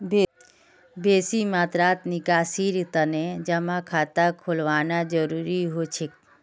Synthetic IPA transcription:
b | beːsimaːt̪ɾaːt̪nɪɡaːsiːɾt̪əned͡ʒəmãkʰaːt̪akʰolʋaːnad͡ʒəɾuːɾiɦot͡ʃʰik̚

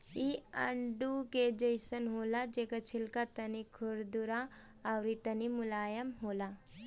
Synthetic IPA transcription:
iɐɳɖuked͡ʒɐjsənɦoːlad͡ʒekɐt͡ʃʰɪlkat̪ɐnikʰʊɾd̪uɾaː | wɾit̪ɐnimʊlaːjəmɦoːla

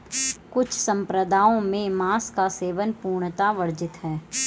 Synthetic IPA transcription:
kʊt͡ʃʰsə̃mpɾəd̪ʱaːõmẽmaːskaseːʋənpuːɾɽɳ̃t̪aʋəɾd͡ʒɪt̪ɦɛː

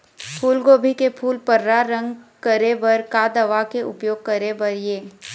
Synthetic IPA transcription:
pʰuːlɡoːbʱikepʰuːlpəɾːaɾə̃ŋɡkəɾebɐɾkad̪ɐʋakeʔʊpjoːɡ̚kɐɾebɐɾjeː

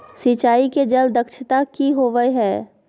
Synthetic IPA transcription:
sit͡ʃaːiked͡ʒɐld̪əkʃɪt̪akiɦoːʋəeɦɛː

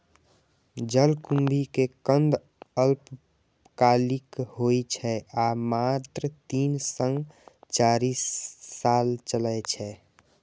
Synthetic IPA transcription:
d͡ʒəlkumbʱikekənd̪ | əlp | kalikhojt͡ʃʰɛamat̪ɾət̪insə̃ŋɡt͡ʃaɾisːalt͡ʃələjt͡ʃʰɛ

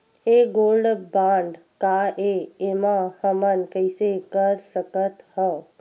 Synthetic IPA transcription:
eɡolɖbãɳɖ | kaʔeemãhəmənkəjsekəɾsəkət̪hɔ

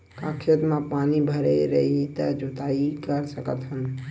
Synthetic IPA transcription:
kakʰet̪mãpanibʱəɾeɾəit̪əd͡ʒot̪aikəɾsəkət̪ɦən

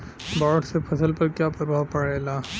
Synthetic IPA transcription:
baːɖsepʰɐsəlpɐɾkjaːpɐɾbʱaʋpɐɽelaː

